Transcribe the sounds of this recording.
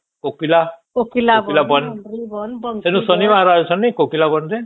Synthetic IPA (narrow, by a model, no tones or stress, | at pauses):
kokilakokilabilabʌnnsenusʌnimaɾaesʰʌnːikokilabʌnd̪e